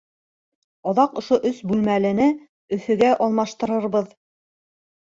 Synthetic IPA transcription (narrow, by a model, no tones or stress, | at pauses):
ɑðɑqŏʃoʔɵsbʉlmælɘ̆nɘ | ɵ̆θɵ̆ɡæʔɒlˠmɑʃt̪ɤ̆ɾɤ̆ɾβɤð